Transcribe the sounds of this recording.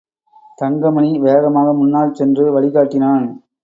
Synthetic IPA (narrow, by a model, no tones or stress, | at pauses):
t̪ɐŋɡɐmɐɳiʋeːɣɐmaːɣɐmʊnːaːlsɛndrɯʋɐɭɪɣaːʈːɪnaːn